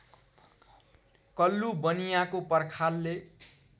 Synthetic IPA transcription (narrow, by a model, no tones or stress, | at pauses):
kʌlːubʌnijakopʌrkʰalːe